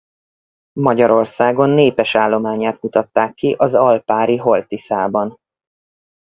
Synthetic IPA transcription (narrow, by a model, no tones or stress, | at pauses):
mɒɟɒɾo̞rsaːɡo̞nːeːpɛʃaːlːo̞maːɲaːt̪mut̪ɒt̪ːaːkːiʔɒzɒlpaːɾiɦo̞lt̪isaːbɒn